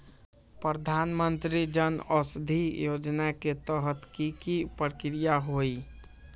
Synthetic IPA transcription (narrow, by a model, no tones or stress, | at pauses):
pɾəd̪ʱanmənt̪ɾid͡ʒənəsd̪ʱijod͡ʒnaket̪əɦət̪kikipɾkɾijaɦoi